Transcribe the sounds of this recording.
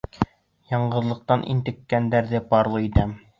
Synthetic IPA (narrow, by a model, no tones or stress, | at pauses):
jɑɴɢɤ̆ðlˠɤ̆q̚t̪ɑnʔḭnt̪ɘ̆kːænd̪æɾðɘpɑɾlˠɤit̪æm